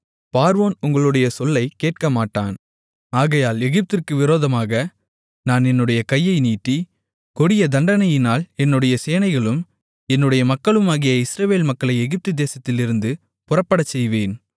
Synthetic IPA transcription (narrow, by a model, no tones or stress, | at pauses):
paːɾʋoːnʊŋɡɐɭɯɽɐjɐsɔlːɐɪkeːʈ̚kɐmaːʈːa̰ːn | aːɣɐjaːlɛɣɪp̚t̪ɪrkɯʋɪɾoːðɐmaːɣɐ | naːnɛnːɯɽɐjɐkɐjːɐɪniːʈːi | kɔɽɪjɐd̪ɐɳɖɐnɐjɪnaːlɛnːɯɽɐjɐseːnɐɪɣɐɭɯm | ɛnːɯɽɐjɐmɐkːɐɭɯmaːɣɪjɐɪsɾɐʋeːlmɐkːɐɭɐɪɛɣɪp̚t̪ɯd̪eːsɐt̪ːɪlɪɾɯnd̪ɯ | pʊrɐpːɐɽɐt͡ʃːɛjʋeːn